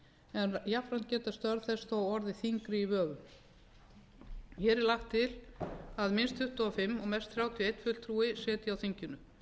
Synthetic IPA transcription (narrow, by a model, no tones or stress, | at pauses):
ɛnjafɾant̪̚cɛːt̪ast̪œɾðθɛsawɔɾðɪθiŋkɾɪivœːɣʏm | çɛːɾɛɾlaxt̪ʰːɪlaðmɪnst̪ʰʏht̪aɔfɪmːɔɣmɛst̪θɾjaːwt̪ʰjejt̪fʏl̥t̪ʰɾuːɪsɛːt̪ɪjawθiɲcʏnːʏ